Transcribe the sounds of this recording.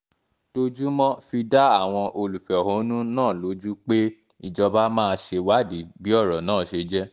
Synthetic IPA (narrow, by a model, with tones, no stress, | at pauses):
to˧d͡ʒu˦mɔ̃˦fi˧da˦a˦˨w̃ɔ̃˧ʔo˧lu˨fɛ˨ɔ˨hõ˨˦nũ˦nãː˦˨lo˨˦d͡ʒu˦k͡pe˦ | i˦˨d͡ʒɔ˧ba˦mãː˦˧ʃe˧wa˦di˨˦bi˦ɔ˦˨ɾɔ˨nãː˦˨ʃe˧d͡ʒɛ˦